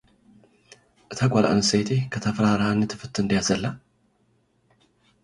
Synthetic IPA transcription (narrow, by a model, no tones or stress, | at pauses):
ʔɨt̪ʰaɡʷalʔa̰ʔnɨset̪ʰekʰɐt̪ʰɐfɾaɾhanːɨt̪ʰɨ̥fɨt̪ʰɨnd̪ijazɐlːa